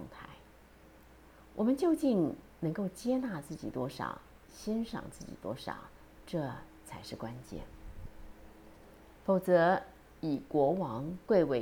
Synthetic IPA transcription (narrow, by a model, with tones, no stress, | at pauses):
ʊ˧˩ŋt̪ʰa̰˧˥ɪ | wʔɔ˨˩mə˦nt͡ɕjo˥˧ʊt͡ɕi˥˩nnɤ˧˥ŋko˥˩ʊt͡ɕjɛ˥na˥˧t͡sɹ̩˥˩t͡ɕḭ˨˩t̪wɔ˥ʂɑ̰˨˩ʊ | ɕjɛ˥nʂɑ̰˨˩ŋt͡sɹ̩˥˩t͡ɕḭ˨˩t̪wɔ˥ʂɑ̰˨˩ʊ | ʈ͡ʂɤ˥˩ | t͡sʰa˧˥ɪʂɻ̩˥˩kwa˥nt͡ɕjɛ̰˥˩n | fo˨˩ʊt͡sɤ˧˥ | i˨˩kwɔ˧˥wɑ˧˥ŋkwe˥˩ɪwe˧˥